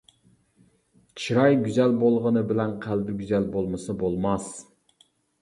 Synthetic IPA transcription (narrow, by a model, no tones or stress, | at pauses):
t͡ʃʰiɾɑjɡʲyzɛlbolˠʁənɨbɪlɛnqʰælbɪɡʲyzɛlbolˠmɨsɨbolˠmɑs